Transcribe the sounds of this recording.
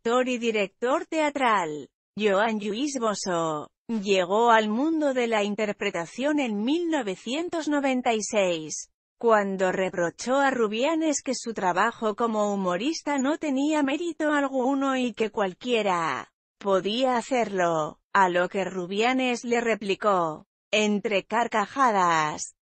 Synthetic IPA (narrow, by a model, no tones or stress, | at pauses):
t̪o̞ɾiðiɾe̞k̚t̪o̞ɾt̪e̞at̪ɾal | ʝoanʎuizmo̞so̞ | ʎe̞ɣ̞o̞almũnd̪o̞ðe̞laint̪e̞ɾpɾe̞t̪aθjo̞ne̞nmilno̞β̞e̞θje̞nt̪o̞zno̞β̞ẽ̞nt̪ajsejs | kwand̪o̞re̞pɾo̞t͡ʃo̞aruβjane̞ske̞sut̪ɾaβaxo̞ko̞mo̞umo̞ɾist̪ano̞t̪e̞niame̞ɾit̪o̞alɣuno̞ike̞kwalkje̞ɾa | po̞ðiaːθe̞ɾlo̞ | alo̞ke̞ruβjane̞zle̞re̞pliko̞ | e̞nt̪ɾe̞kaɾkaxaðas